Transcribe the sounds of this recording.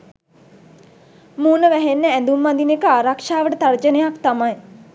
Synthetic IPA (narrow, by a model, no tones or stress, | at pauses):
muːnəʋæɦenːəænd̪umːand̪inekəaːɾakʂaːʋəʈət̪aɾd͡ʒənejakt̪amaj